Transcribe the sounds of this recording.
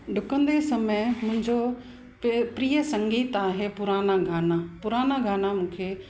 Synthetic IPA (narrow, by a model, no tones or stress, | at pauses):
ɖʱʊkə̃nd̪esɐməjmʊ̃ɦɪ̃ɲd͡ʑo | pɾiːəsɐ̃ŋɡiːt̪aːɦepʊɾaːnaɡʱaːnapʊɾaːnaɡʱaːnamũːkʰeː